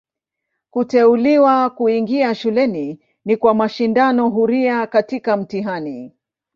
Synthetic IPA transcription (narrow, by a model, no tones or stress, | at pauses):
kutɛuliwakuiŋɡiaʃulɛni | nikwamaʃindanɔɦuɾiakatikam̩tiɦani